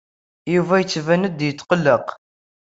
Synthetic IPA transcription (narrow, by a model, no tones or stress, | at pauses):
juvæjət͡sːvænəd̪jət̪ːqəlːəq